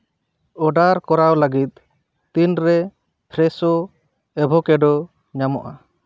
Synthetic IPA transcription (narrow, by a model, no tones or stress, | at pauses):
ɔɖaɾkɔɾawləɡit̪̚ˀ | t̪inɾɛ | pʰɾɛsɔ | ɛbʱɔkɛɖɔ | ɲamɔ̰ʔa